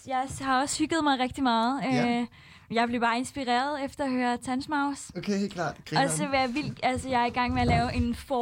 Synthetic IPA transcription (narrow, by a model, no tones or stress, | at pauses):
jɑ̈ɪhɑ̈ɒ̽shyɡ̥ð̞̩ˠmɑ̈ɪʁɛɡ̥̚d̥imɑ̈ːð̩ˠø | jɑ̈ɪb̥le̝ʊb̥ɑ̈ːe̝nsb̥iʁḛːɐðˠefd̥ɐɒ̽høːɐt͡sʰænsmɑ̈ʊsokʰeelʰlɑ̰̥ːɒ̽sɒ̽ʋɑjɑ̈ʋil̰d̥ælsəjɑ̈ɪæɐiɡ̥ɑ̈ŋ̰meælɛːʊʔe̝nfɒ